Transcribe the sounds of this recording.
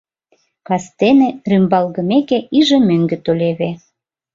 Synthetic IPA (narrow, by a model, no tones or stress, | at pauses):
kɑst̪enĕrymbɑlɣə̆mekeiʒĕmøŋɡĕt̪olʲeβe